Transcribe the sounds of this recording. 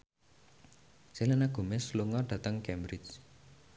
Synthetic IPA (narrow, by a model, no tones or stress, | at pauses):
selanaɡ̥o̤mɛsluŋɔɖ̥ä̤t̪əŋkɛmbɾɪt͡ʃ